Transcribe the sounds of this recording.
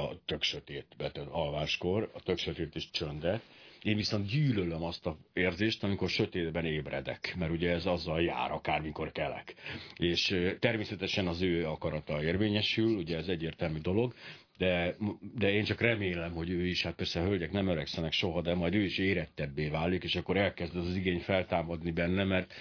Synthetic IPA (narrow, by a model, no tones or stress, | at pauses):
t̪ø̞kʃøt̪eːt̪bɛt̪ɒlvaːʃko̞rɒt̪økʃøt̪eːt̪iʃt͡ʃønd̪ɛt̪eːɱviso̞nt̪̚ɟyːlølømɒst̪ɒeːrzeːʃt̪ɒmiko̞rʃø̞t̪eːd̪bɛneːbrɛ̰d̪ɛ̰kmɛɾuɟɛɛzɒzːɒlja̰ːɾʔɒkaːrmiko̞rkɛlɛ̰keːʃt̪ɛrmeːsɛt̪ɛʃɛnɒzøːɒkɒɾɒt̪ɒeːrveːɲɛʃyluɟɛɛzɛɟːeːrt̪ɛlmyd̪o̞lo̞ɡ | d̪ɛd̪ɛeːnt͡ʃɒkrɛmeːlɛmho̞ɟøːiʃhat̪pɛrsɛɦølɟɛknɛmøɾɛksɛnɛkʃo̞ɦɒd̪ɛmɒjd̪øːiʃeːɾɛt̪ːɛbːeːvaːlikeːʃɒkːo̞ɾɛlkɛzd̪zɒziɡeːɲfɛlt̪aːmɒd̪nibɛnːɛmɛrt̪